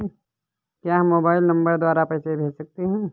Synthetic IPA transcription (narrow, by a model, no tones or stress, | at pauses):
kjaːɦmːoːbaːɪlnɐ̃mbəɾd̪waːɾapɛːsebʱeːd͡ʒsɐk̚t̪eɦɛ̃ː